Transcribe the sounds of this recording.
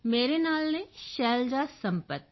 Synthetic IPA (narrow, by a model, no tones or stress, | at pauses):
meːɾenaːlnẽʃɛːld͡ʒasɐ̃mpət̪̚